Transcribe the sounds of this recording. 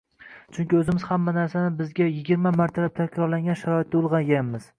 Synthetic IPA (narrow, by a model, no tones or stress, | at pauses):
t͡ʃʰʊŋkʲɪɵzɪmɪz̥hamːanaɾsanɪbɪzɡʲajɪɡʲɪɾmamaɾt̪ʰalap̚t̪ʰakʲɾɒɾlaŋɡʲanʃaɾɒɪt̪̚ːaʊlˠʁɑnjamɪz̥